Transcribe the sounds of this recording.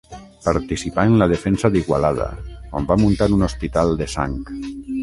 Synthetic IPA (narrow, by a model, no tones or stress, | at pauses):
paɾt̪isipaenlað̞efɛnsaðiɣwa̰lað̞a̰ka̰mbamunt̪aɾunospit̪alˠd̪esa̰ŋk